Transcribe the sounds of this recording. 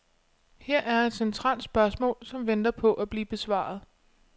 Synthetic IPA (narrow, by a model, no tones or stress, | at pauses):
heɐ̰ʔæɐe̝d̥sent͡sʰʁɑ̰̈ːld̥sb̥ɶɐsmɔ̰̽ːlsɒ̽mʋend̥ɐpʰɒ̽ʔæb̥liːb̥e̝sʋɑ̰̈ð̞̩ˠ